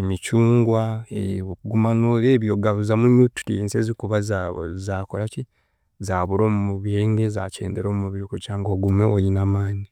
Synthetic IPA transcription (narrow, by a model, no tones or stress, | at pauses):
emit͡ʃuːŋɡwaeɡumanoleːβjoɡaβuzamuɲutu̥tiensezikuβazaβo̰zaːkolaci | zaːβuɾo̞ːmumuβjeːŋɡeza̰cḛːnde̞ɾoːmumuβiɾukut͡ʃaːŋɡoɡumweolinamaːɲi